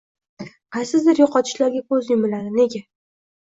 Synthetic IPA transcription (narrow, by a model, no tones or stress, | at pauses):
qʰɑjsɪzd̪ɪɾjoqɒt̪ʰɪ̥ʃlaɾɡʲakʰɵzjɪmɪlaɾɪne̞ɡʲa